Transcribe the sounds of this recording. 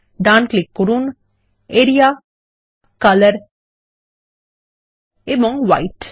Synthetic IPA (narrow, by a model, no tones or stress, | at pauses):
ɖaːnklikːuɾun | eɾijaː | kɐləɾ | emoŋʋajʈ